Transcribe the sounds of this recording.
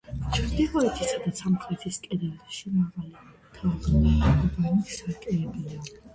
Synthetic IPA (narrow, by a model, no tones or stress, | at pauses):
t͡ʃʰɾd̪ilˠɔɛt̪ʰisad̪asʰamχʰlɛt̪ʰiskʼɛd̪ɛlʃimaʁali | t̪ʰaʁɛnaɔbansakʼɛɛbia